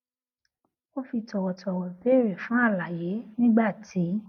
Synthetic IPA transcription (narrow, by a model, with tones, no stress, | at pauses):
o˦fi˧tɔ˨wɔ˨tʰɔ˨wɔ˨be˨˦˨ɾe˨fũ˨˦a˦˨la˨je˨˦nĩ˦ɡ͡ba˦˨tʰi˨˦